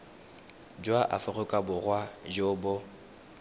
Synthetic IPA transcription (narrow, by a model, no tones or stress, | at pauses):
d͡ʒwaʔafʊɣʊkʼabʊrwad͡ʒobʊ